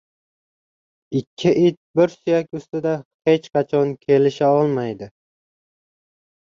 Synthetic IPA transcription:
ɪkʲʰːɪʔɪt̪̚bɪɾsʊjakʲʊst̪ɪd̪ahe̞t͡ʃqɑt͡ʃʰɒnkʲʰe̞lɪʃaɒlˠmajd̪ɪ

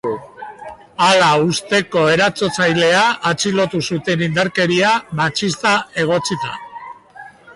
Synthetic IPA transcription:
alaust̪e̞ko̞e̞ɾat͡so̞t͡sajle̞aːt͡silo̞t̪usut̪e̞nind̪aɾke̞ɾiamat͡ʃist̪ae̞ɣ̞o̞t͡sit̪a̰

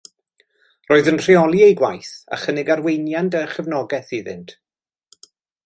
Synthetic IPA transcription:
roːɨðənr̥iɔlˠiejɡwajθa̰χənɪɡarwejnjandəχɛvnɔɡɛθɪðɪ̰ntʰ

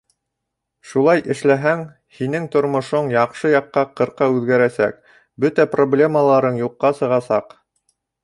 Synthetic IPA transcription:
ʃulˠɑjʔɘ̆ʃlæɦæŋ | hinɘŋt̪ŏɾmŏʃoɴjɑqʃɤjɑqːɑqɤ̆ɾqɑʉðɡæɾæsæ̰k̚ | bɵt̪æproblʲe̞məlˠɑɾɤɴjuqːɑsɤ̆ʁɑsɑq

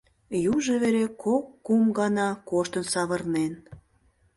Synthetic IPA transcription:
juʒeβeɾekʰokːumɡɑnɑkoʃt̪ənsɑβə̆rnen

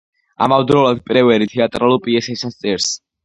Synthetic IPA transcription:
a̰mavd̪ɾɔlad̪̚pʼɾɛvɛɾit̪ʰɛat̪ʼɾalupʼiɛsɛsast̪sʼɛɾs

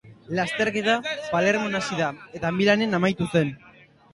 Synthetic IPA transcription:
last̪e̞ɾke̞t̪apale̞ɾmo̞nasiðae̞t̪aːmbilane̞namajt̪use̞n

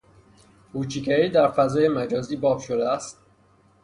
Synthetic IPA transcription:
kuːt͡ʃʰikʰæɾiːd̪æɾfæzɒːjemæd͡ʒɒːziːbɒːbʃod̪eæst̪̚

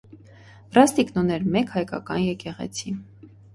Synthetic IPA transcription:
brɑst̪iknɔnɛɾmɛkhɑjkɑ̰kɑnjɛkɛʁɛ̰t͡sʰi

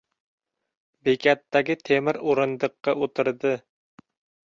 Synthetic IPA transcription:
bekʲæt̪ːæɡʲɪt̪ʰemɘɾuɾɤ̆nd̪ɤ̆qːɑʔut̪ɤ̆ɾd̪ɤ

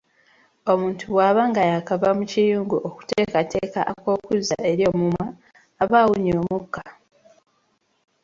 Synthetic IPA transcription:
o̞muːntʰuβwaːβaːŋɡajakaβamucijuːŋɡuʔoku̥teːkate̞ːkaʔako̞ːkuza̰ʔe̞ɾjo̞ːmumaː | βawuɲoːmukːa

